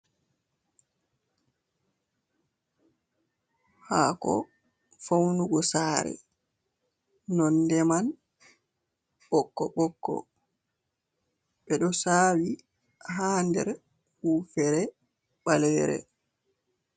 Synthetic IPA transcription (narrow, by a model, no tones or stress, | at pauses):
haːkɔ̰ | fawnuɡɔsaːɾɛ̰ | nɔndɛman | ɓɔkːɔɓɔkːɔ̰ | ɓɛɗɔsawi | ɦaːndɛ̰ɾ | hufɛɾɛ | ɓalwɛ̰ɾɛ̰